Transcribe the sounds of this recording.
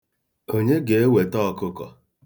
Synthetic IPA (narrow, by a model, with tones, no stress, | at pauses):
o˦ɲe˦ɡe˨e˦we˨tɔ˦˨kʊ˦kɔ̰˨